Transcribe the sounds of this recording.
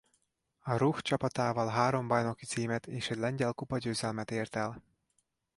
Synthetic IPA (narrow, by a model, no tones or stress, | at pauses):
ɒɾuxt͡ʃɒpɒt̪aːvɒlɦaːɾo̞mbɒjno̞kit̪siːmɛt̪eːʃɛɟʲlɛɲɟɛlkupɒɟøːzɛlmɛt̪eːrt̪ɛl